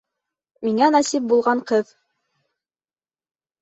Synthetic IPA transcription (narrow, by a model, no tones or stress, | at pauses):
miŋænɑsip̚bulˠʁɑɴqɤð